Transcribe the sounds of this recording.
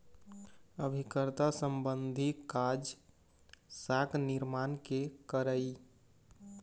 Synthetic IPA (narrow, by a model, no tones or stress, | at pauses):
əbʱikəɾt̪asəmbənd̪ʱikad͡ʒ | sakniɾmankekəɾəj